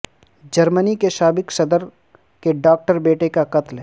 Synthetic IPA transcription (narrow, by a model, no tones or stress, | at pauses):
d͡ʒɐɾmənikeʃaːbɪksɐd̪əɾ | keɖaːk̚ʈəɾbeːʈekakɐt̪lɦɛː